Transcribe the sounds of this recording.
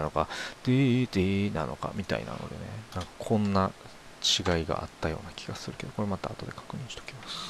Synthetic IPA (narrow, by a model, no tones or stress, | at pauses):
nokad̪̥id̪inano̞ka̰mʲit̪a̰ḭna̰no̞̰d̪e̞nenãŋkḁkʰõ̞nːa | t͡ɕiɡaiɡa̰ʔa̰t̪ːajo̞̰ːnakʲʰi̥ɡ̥asɨɾɯ̟ke̞d̪o̞ko̞ɾemat̪aːt̪o̞d̪e̞kḁkɯ̟ɲ̟ĩɰ̃ɕi̥t̪o̥kʲimasɨ̥